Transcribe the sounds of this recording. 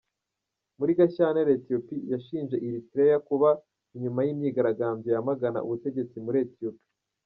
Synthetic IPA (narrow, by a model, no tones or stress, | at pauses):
muɾiɡaçaːneɾetio̞pijaʃiːnʒe̞ʔiɾitiɾejakuβa | iɲumajimɲiːɡaɾaɡaːmbejamaɡana̰ʔṵβute̞ɟe̞t͡simuɾietiopi̥